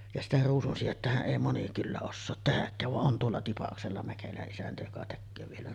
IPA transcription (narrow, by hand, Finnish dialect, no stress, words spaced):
jɑ sitæ ruːsunsijetːæhæʔ ʔeˑi moni kylːæ osːoːt tehækːæːʋ ʋɑʔ ʔon tuolːɑ tipɑkselːɑ mækelæʔ ʔisæntæ jokɑ tekːøː ʋielæ